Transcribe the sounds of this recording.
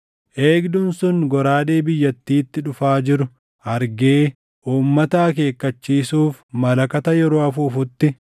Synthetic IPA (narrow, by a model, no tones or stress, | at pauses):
ʔeːɡd̪ʊnsʊŋɡɔɾaːᶑeːbɪjːɐt̪ːiːt̪ːɪᶑʊfaːd͡ʒɪɾʊ | ʔɐɾɡeː | ʔuːmːɐt̪aːke̞ːkːɐt͡ʃːiːsuːfmɐlɐkɐt̪ɐjɛɾoːɐfuːfʊt̪ːɪ